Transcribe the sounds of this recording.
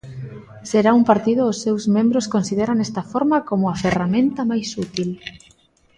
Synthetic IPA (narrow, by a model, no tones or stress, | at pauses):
seɾaumpaɾt̪iðʊːsːewzmẽmbɾoskonsiðeɾanest̪ɐfoɾmakomʊaferamẽnt̪amajsut̪il